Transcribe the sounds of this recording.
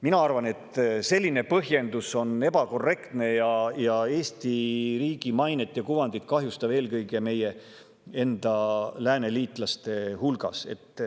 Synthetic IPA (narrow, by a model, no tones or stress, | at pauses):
minɑɑrvɑne̞t̪se̞lʲːine̞pɤɦje̞nd̪uso̞ne̞bɑko̞rːe̞kt̪ne̞jɑjɑe̞ːst̪iɾiːɡ̥imɑjnet̪ːˑjɑkuvɑnd̪̥it̪kɑɦjust̪ɑve̞ːlkɤjɡe̞me̞je̞ | e̞nd̪̥ɑlæːne̞liːt̪ˑlɑst̪e̞hulɡ̥ɑ̰se̞̰t̪ːˑ